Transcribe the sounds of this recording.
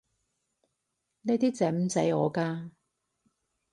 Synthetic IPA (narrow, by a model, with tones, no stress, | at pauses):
ne˧˥t̪iː˥t͡sɛː˨˥m̩˨˥t͡sɐ˨˥jɔː˨˧kaː˧